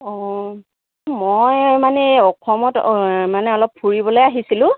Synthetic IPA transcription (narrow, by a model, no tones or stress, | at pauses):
ɔ | mojmanɛɔkʰɔmɔtmanɛɔlɔpʰːuɹibɔlojaɦisilʊ̃